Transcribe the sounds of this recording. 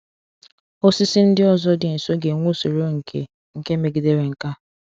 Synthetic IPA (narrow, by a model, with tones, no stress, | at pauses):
o˦si˦si˦n̩˦dɪ˦ɔ˦zɔ˦dɪ˨n̩˨so˦ɡe˨ŋʷo˦so˨ɾo˦ŋ̩˨kʰḛ˨ | ŋ̩˨ke˦me˨ɡi˨de˦ɾe˨ŋ̩˨ka˦